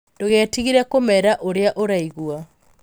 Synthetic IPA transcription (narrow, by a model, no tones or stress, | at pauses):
doɣɛːtiɣiɾɛkomɛɾaʔoɾeaʔoɾaiɣwa